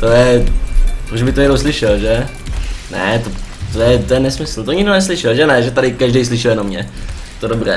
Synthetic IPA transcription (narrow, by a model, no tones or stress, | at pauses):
t̪ojɛ | pɾuʃbɪt̪oɛnowslɪʃɛlʒɛ | nɛ̰t̪ot̪ojɛt̪ojɛnɛsmɪsl̩t̪oɲɪɡdonɛs̬lɪʃɛlʒɛnɛʒɛt̪adɪkaʒdɛjs̬lɪʃɪljɛnomɲɛ | ɛt̪odobrɛː